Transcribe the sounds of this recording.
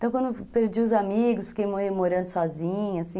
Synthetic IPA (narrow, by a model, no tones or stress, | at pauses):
t̪ɐ̃w̃kwɐ̃nd̪ʊpeɾd͡ʒiʊzamiɡʊsfi̥kejmoemoɾɐ̃nd̪ʊsɔzĩɲɐasĩ